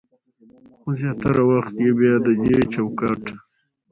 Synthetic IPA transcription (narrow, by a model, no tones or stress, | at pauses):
xozjɑt̪aɾawaxt̪jebjɑd̪əd͡ʒet͡ʃawkɑʈ